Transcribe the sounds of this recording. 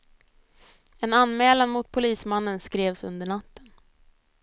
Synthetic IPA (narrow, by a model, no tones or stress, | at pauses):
ɛnanmɛːlanmʊt̪̚pʰʊliːsmanːənskɾeːvsɵ̰nd̪əɳat̪ʰːə̥n